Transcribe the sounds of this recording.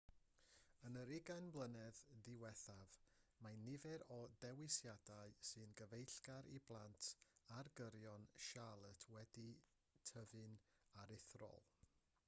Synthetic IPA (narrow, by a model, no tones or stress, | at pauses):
ənəɾɪɡanblˠənɛððɪwɛθavmajnːɪvɛɾɔdɛwɪsjadaɨsɨnɡəvejɬɡ̥aɾḭblˠantʰarɡəɾjɔnʃalˠətʰwɛdi | tʰəvɨnaɾɪθrɔ̰lˠ